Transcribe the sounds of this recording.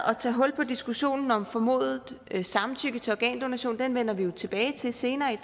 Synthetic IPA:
ɒ̽t͡sʰɛ̰ːɦɒ̽l̰pʰɒ̽d̥isɡ̥uɕo̝̰ːnn̩ɒ̽mfɒ̽mo̝̰ːðˠsɑ̈mn̩t͡sʰyɡ̥ət͡sʰe̝ɒɡ̥ɛ̰ːnd̥o̝næɕo̝̰ːnd̥enʋen̰ɐʋijo̝t͡sʰe̝b̥ɛːɪt͡sʰe̝se̝ːnɐːi

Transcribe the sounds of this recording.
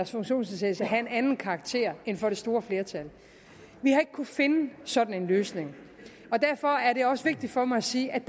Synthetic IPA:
ɐsfɔ̽ŋɕo̝̰ːnsesʰesæɦæe̝nænn̩kʰɑ̈ːɡ̥̚t͡sʰe̝̰ɐ̰e̝nfɒ̽ɾ̥e̝sd̥o̝ːɐfle̝ɐt͡sʰæl | ʋihɑ̈e̝ɡ̥ə̥kʰufe̝nəsɒ̽d̥n̩e̝nløːsne̝ŋ | ɒ̽d̥æɐ̰fɒ̽æɐɾe̝ɒ̽səʋe̝ɡ̥̚d̥id̥fɒ̽mɑ̈ɪæsiːʔæ̥

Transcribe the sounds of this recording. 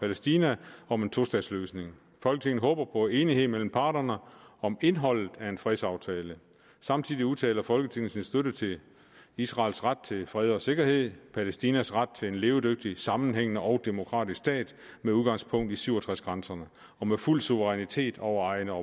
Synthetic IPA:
pʰælesd̥inæɒ̽me̝nt͡sʰo̝sd̥ɛ̰ːsløːsne̝ŋ | fɒ̽lɡ̥ət͡sʰe̝ŋn̩əɦɔ̽ːb̥ɐpʰɒ̽æe̝ːniɦe̝ð̰ˠmel̰m̩pʰɑ̈ːd̥ɐnəɒ̽me̝nɦɒ̽l̰ð̩ˠæe̝nfʁɛðˠsɑ̈ʊt͡sʰɛːlə | sɑ̈mt͡sʰiðˠiuðˠt͡sʰɛ̰ːlɐfɒ̽lɡ̥ət͡sʰe̝ŋn̩sinsd̥øɾət͡sʰe̝ | isʁɑ̰̈ːlsʁad̥̚t͡sʰe̝lfʁɛð̞ˠɒ̽se̝ɡ̥ɐhe̝ð̞̰ˠpʰælesd̥iːnæsʁad̥̚t͡sʰe̝le̝nle̝ːʊd̥øɡ̥̚d̥isɑ̈mn̩ɦeŋ̰nəʔɒ̽ʊd̥e̝mo̝kʰʁɑ̰̈ːd̥isksd̥ɛ̰ːd̥meuðˠɡ̥ɑ̈ŋspʰɔ̽ŋ̰d̥isyʊ̰ɒt͡sʰʁasɡ̥ʁansɐnə | ɒ̽meful̰suʋəʁɛnit͡sʰe̝̰ːd̥ɒʊɐɑ̈ɪnəɒ̽

